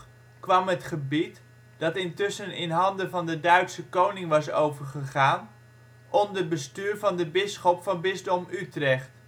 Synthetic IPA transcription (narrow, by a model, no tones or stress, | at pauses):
kʋɑmɦətχəbit | d̥ɑtɪntʏsənɪnɦɑndəvɑndədœɥtsəkownɪŋʋɑsowvəɹχəχaːn | ʔɔndərbəstyːɹvɑndəbɪsχɔpfɑnbɪzdɔmytrɛχt